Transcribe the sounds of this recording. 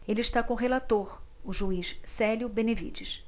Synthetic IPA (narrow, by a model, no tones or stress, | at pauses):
elɪiʃt̪akõʊɦelat̪oɾʊʒuiʃsɛljʊbenevḭd͡ʒiʃ